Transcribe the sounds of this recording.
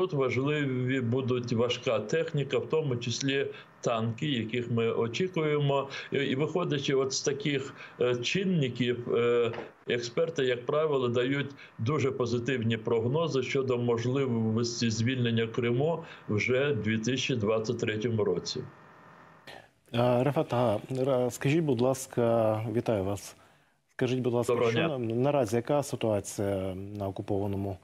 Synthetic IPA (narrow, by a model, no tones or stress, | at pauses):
t̪ut̪ʋɐʒlˠɪʋʲʋʲibud̪ʊtʲʋɐʃkɑt̪ɛxnʲikɐwt̪ɔmʊt͡ʃɪsʲlʲi | t̪ɑnkɪjɐkixmɪʔɔt͡ʃʲikʊjemɔiʋɪxɔdʲɐt͡ʃɪɔt̪st̪ɐkʲɪxt͡ʃɪnːɪkʲiw | ɛkspɛrt̪ɪjɐk̚pɾɑʋɪlˠɔd̪ɐjutʲ | d̪uʒɛpɔzɪt̪ɪwnʲipɾɔɦnɔzɪʃt͡ʃɔd̪ɔmɔʒlˠɪʋʋɔsʲtʲizʲʋʲilʲnenʲːɐkɾɪmuwʒɛd̪ʲʋʲit̪ɪsʲɐt͡ʃːid̪ʋɑt͡sʲːɐt̚ʲt̪ɾɛtʲɔmʊɾɔt͡sʲḭ | ɾɐfɛt̪ɐɦɑskɐʒʲit̚ʲbʊd̪lˠɑskɐʋʲit̪ɑjʊʋɑs | skɐʒɪtʲbʊd̪lˠɑsɐnɐɾɑzʲijɐkɑsɪt̪ʊɑt͡sʲijɐnɐɔkʊpɔʋɐnɔmʊ